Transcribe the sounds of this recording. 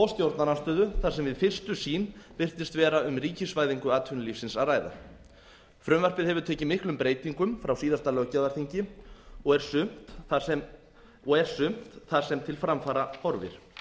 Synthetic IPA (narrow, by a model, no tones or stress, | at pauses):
ɔst̪jowɾt̪naɾast̪œːðʏθaɾsɛmvɪðfɪr̥st̪ʏsiːnvɪr̥t̪ɪst̪vɛːɾaʏmriːcɪsvaːjðiŋkʏaːt̪ʰʏnlifsɪnsaðraːjða̰ | fɾʏmvar̥pɪðhɛvʏɾt̪ʰɛːcɪmɪhklʏmpɾeːjt̪iŋkʏmfɾawsiːðast̪alœːcavaɾ̥θiɲcɪɔɣɛɾ̥sʏm̥t̪ɛm | ɔɣɛɾ̥sʏm̥tt̪θḁsɛmt̪ʰɪlfɾamfaːɾahɔɾvɪ̰ɾ̥